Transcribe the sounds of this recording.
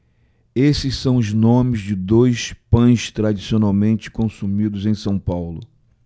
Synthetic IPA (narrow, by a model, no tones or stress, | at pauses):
esɪssɐ̃w̃ʊznõmɪzd͡ʒɪd̪ojspɐ̃j̃st̪ɾad͡ʒisionawmẽnt͡ʃɪ̥kõsumid̪ʊzẽj̃sɐ̃w̃pawlʊ